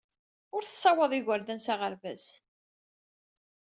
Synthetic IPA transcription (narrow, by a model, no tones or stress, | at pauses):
ʊɾθə̥sːɑwəðˤɪʝəɾðænsaʁəɾvæs